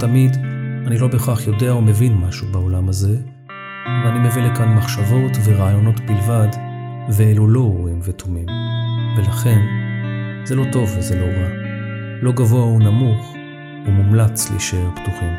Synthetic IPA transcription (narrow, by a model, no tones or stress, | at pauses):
tamidanilo̞beχaχjo̞de̞aome̞vinmaʃubaolamaze̞ | veanimevilekanmaχʃavo̞tveʁaːjo̞no̞tbilvad | veelulo̞ʁuimvetʰomimve̞laχe̞n | ze̞lo̞to̞vezelo̞ʁa | lo̞ɡavo̞aunamuχ | umumlat͡slḭʃeptuχim